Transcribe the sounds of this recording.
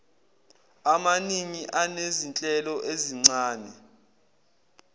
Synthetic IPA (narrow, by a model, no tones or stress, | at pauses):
amaniŋiʔanezint͡ɬʼɛlɔʔeziŋ͡ǀaːnɛ